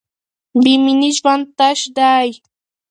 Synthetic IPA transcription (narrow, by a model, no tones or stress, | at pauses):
bɪmɪnɪʃwant̪aʃdaj